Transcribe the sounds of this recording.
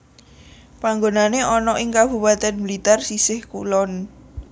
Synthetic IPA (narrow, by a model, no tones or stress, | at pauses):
paŋɡonaneʔɔnɔʔɪŋkab̥ṳpat̪ɛnmilit̪ɛrsisɪhkṵlɔn